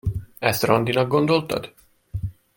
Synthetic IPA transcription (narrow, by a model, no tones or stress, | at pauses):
ɛst̪rɒnd̪inɒɡɡo̞nd̪o̞lt̪ɒ̰d̪̥